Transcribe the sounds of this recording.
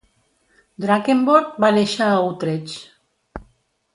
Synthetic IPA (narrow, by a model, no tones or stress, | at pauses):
d̪ɾakemboɾk̪̚baneʃawt̪ɾet͡ʃ